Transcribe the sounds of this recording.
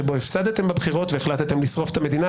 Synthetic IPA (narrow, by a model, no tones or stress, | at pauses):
ebo̞efsad̪et̪e̞mbebχiʁo̞t̪veːχlat̪et̪emlisʁo̞fe̥t̪ame̞d̪ina